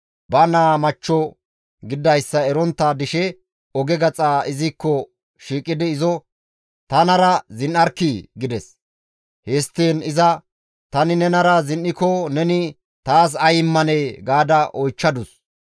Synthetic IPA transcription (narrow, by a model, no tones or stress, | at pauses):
bɐnaːmɐt͡ʃːɔ | ɡɪd̪ːɐjsːɐɛɾɔnt̪ːaːd̪ɪʃɛ | ɔɡɛɡɐt͡sʼaːɪzɪkːɔ | ʃiːkʼːɪd̪ɪːzɔ | t̪ɐnɐɾɐzɪnʔɐɾkːiɡɪd̪ɛs | heːst̪ːiːnɪzɐ | t̪ɐnɪnɛnɐɾɐzɪnʔɪkɔnɛnɪ | t̪aːs̬ɐjɪmːɐneːɡaːd̪ɐʔɔjt͡ʃːɐd̪ʊs